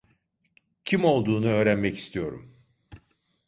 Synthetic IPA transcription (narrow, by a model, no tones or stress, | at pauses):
cʰimo̞lˠd̪uːnuø̞ːɾænmɛci̥st̪ʰijo̞ɾṵm